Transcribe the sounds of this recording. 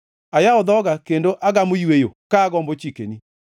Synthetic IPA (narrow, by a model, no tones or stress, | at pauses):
ajaɔd̪ɔɡakendoʔaɡamojwejokaːɡɔmbot͡ʃikeni